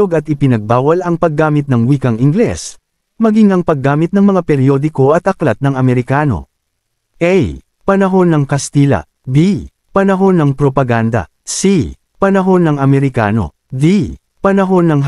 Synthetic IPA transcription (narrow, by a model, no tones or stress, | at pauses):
oɡɐt̪̚ɪpɪnɐɡ̚baːwɐlʔɐŋpɐɡːaːmɪt̪̚nɐŋwiːkɐŋɪŋɡlɛ̰s | mɐɡiŋɐŋpɐɡːaːmɪt̪̚nɐŋmɐŋapɛɾjo̞ːd̪ɪko̞ʔɐt̪ʔɐklɐt̪̚nɐŋɐmɛɾɪkaːno̞̰ | ʔɛj | pɐnɐɦo̞nːɐŋkɐst̪iːlɐ̰ | bi | pɐnɐɦo̞nːɐŋpɾopɐɡand̪ɐ̰ | si | pɐnɐɦo̞nːɐŋɐmɛɾɪka̰ːno̞̰ | di | pɐnɐɦo̞nːɐŋ